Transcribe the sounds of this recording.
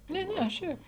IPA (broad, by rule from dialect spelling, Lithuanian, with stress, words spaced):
ˈnʲɛ ˈnʲɛ ˈʃʲɛɪp